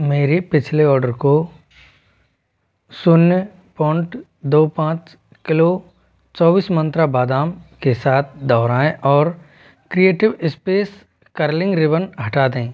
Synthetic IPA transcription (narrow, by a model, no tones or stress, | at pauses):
meːɾepɪt͡ʃʰleɔːɾɖəɾko | sʊnjə | pɔ̃ːɪɳʈ | d̪oːpãːt͡ʃ | kɪlo | t͡ʃɔːbiːsmə̃nt̪ɾabaːd̪aːmkesaːt̪̚ʰd̪ɔːɾaːẽʔɔːɾ | kɾieːʈɪʋɪspeːs | kəɾlɪ̃ŋɡɾɪʋənɦɐʈaːd̪ẽː